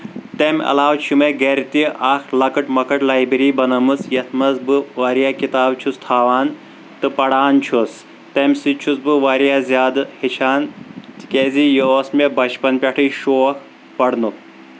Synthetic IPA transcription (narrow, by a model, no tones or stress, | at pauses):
t̪emʲɐ̰laːwt͡ʃʰumeɡeɾt̪iaxlɐkɐʈmɐkɐʈlaːjbɾiːbɐnɐmɨsjɐt̪ʰmɐzbɨʋaːɾijaːkit̪aːbt͡ʃʰust̪ʰaːʋaːn | t̪ɨpɐɽaːnt͡ʃʰus | t̪emʲsit͡ʃʰusbɨʋaːɾjaːzʲjaːd̪ɨhit͡ʃʰaːnt̪i̥kʲeːzijoːsmʲebɐt͡ʃpɐnpʲaʈʰɨjʃoːk | pɐɽnu